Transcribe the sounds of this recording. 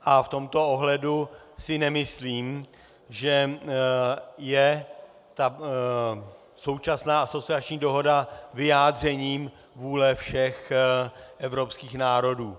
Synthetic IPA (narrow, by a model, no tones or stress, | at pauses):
ʔaft̪o̞mt̪o̞oɦlɛdusɪnɛmɪsliːm | ʒɛ | jɛ | t̪a | so̞wt͡ʃasnaːaso̞t͡sɪat͡ʃɲiːdo̞ɦo̞davɪjaːd̪r̝ɛɲiːm | vuːlɛfʃɛx | ʔɛvɾo̞pskiːxnaːɾo̞duː